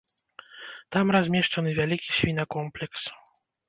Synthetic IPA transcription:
t̪amɾɔzʲmʲjɛʂt͡ʂɔnɨvʲjalʲikʲiɕfʲinakɔmplʲɛks

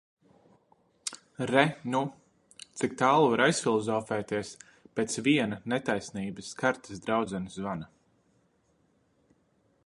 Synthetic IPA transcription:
ɾɛnu | t̪sik̚t̪aːlˠuvaɾajsfʲilˠɔzɔːfɛːt̪iɛs | peːt̪svʲiɛnɐnɛt̪ajsniːbɨsːkaɾt̪ə̥sd̪ɾawd̪zʲɛnisvana

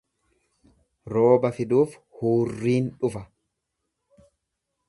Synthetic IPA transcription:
ɾo̞ːbɐfɪd̪uːfhuːrːiːnᶑʊfɐ

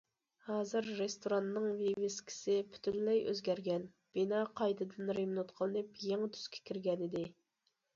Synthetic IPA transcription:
hɑːzɨɾːest̪oɾɑnːɨŋvevɪskʲʰi̥sɪpʰy̥t̪ʰynlɛjø̰zɡʲɛɾɡʲɛn | b̥inɑːqʰɑjd̪ɨd̪ɨnɾemnut̪qʰəlˠɨnɨpjeŋt̪ʰy̥z̥kʲʰɛ̥kʲʰiɾɡʲɛnɪd̪ɪ

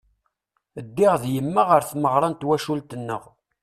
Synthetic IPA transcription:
əd̪ːɪʁðjəmːaʁəɾθməʁɾˤɑnt̪wæʃult̪ənːə̰ʁ

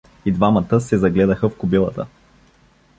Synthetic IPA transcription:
id̪vamət̪əsɛzɐɡlɛd̪əxəfkʊbilˠət̪ə̰

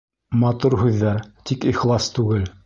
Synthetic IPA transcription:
mɑt̪uɾhʉðːæɾt̪ikiχlˠɑst̪ʉɡɘl

